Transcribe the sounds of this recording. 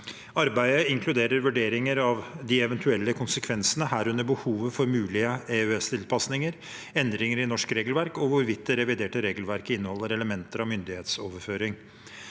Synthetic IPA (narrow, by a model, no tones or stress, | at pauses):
ɑɾbæɪəɪŋkʰlʉd̪eːɾəɾʋʉɖeːɾɪŋəɾɑʋd̪ɪɛʋɛnt̪ʰʉɛlːəkʰʊnsəkʰʋɛnsənəhæːɾʉnːəɾbəhuːʋəfɔɾmʉːlɪəeːʉɛst̪ʰɪlpʰɑsnɪŋəɾ | ɛnd̪ɾɪŋəɾɪnɔʂkɾeːɡəl̩ʋæɾkɔʋʊɾʋɪt̪̚d̪ɛɾɛʋɪd̪eːʈəɾeːɡl̩ʋæɾkəɪnːəhɔlːəɾɛləmɛnt̪əɾɑmʏnd̪ɪheːt̪soːʋəɾføːɾɪŋ